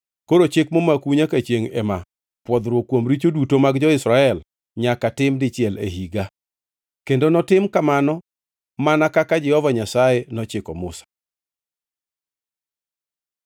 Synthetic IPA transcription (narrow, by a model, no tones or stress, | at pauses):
koɾot͡ʃekmomakuɲakat͡ʃjeŋɛ̰ma | pwɔd̪ɾwokwomɾit͡ʃodutomaɡd͡ʒɔɪsɾaɛl | ɲakatɪmdɪt͡ʃɪɛlḛɦiɡa | kendonɔtɪmkamanɔ | manakakad͡ʒɛhɔvaɲasajenɔt͡ʃɪkɔmʊ̰sḁ